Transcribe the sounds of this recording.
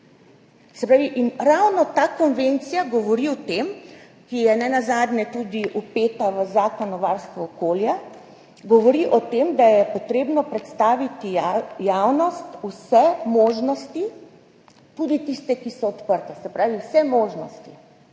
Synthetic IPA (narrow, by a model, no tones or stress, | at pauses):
sɛpɾaːʋiʔinɾawnɔt̪aːkɔnʋent̪sijaɡɔʋɔɾiɔt̪em | kijɛnɛnazaːd̪nɛt̪ud̪iʔupeːt̪aʋəzaːkɔnɔʋaɾst̪ʋɔːkoːlja | ɡɔʋɔɾiʔɔt̪emd̪ajɛpɔt̪ɾeːbnɔpɾɛt̪st̪aːʋit̪ijawnɔst̪usɛmoːʒnɔst̪i | t̪uːd̪it̪ist̪ɛkisɔɔt̪pəɾt̪ɛsɛpɾaːʋiwsɛmoːʒnɔst̪i